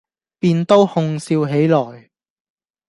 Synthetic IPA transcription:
piː˧nt̪o˥whʊ˧ŋsiː˧wɦe˨˥jlɔː˨˩j

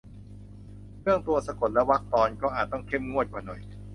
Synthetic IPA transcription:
ɾʰɯ˥˩əŋt̪u˧ɐsa˧ko˨˩t̪̚lɛ˦˥wa˦˥k̚t̪ɔː˧nkɔː˥˩ʔaː˨˩t̪ːɔ˥˩ŋkʰe˥˩mŋu˥˩ət̪̚kwaː˨˩nɔ˨˩j

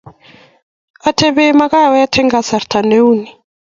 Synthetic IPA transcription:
a˨tʰe˨βema˦ka˦˨wa˦ja˦tʰɛ˦ŋɡa˨sa˨ɾtʰa˨ne˦u˦ni˨

